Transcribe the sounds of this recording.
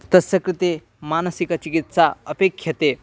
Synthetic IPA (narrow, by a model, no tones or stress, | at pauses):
t̪ɐsɐkɾit̪e | manəsikɐt͡ʃikit̪saəpekʰːjɐt̪e